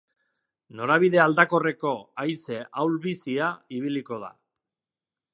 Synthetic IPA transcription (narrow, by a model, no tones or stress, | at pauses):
no̞ɾaβiðe̞ald̪ako̞re̞ko̞ajse̞ʔawlβisiaiβ̞iliko̞ða̰